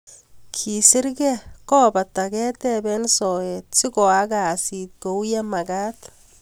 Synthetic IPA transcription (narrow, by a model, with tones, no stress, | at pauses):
kʰi˨sɪ˦ɾɡɛ˦kɔː˦ba˨ta˨ɡɛː˦t̪ɛ˦bɛ˦nsɔ˨ɛ˨t̪̚sɪ˦kɔ˨a˦ɡa˨si˨t̪̚ko˨wja˦ma˨ɡaː˦t̪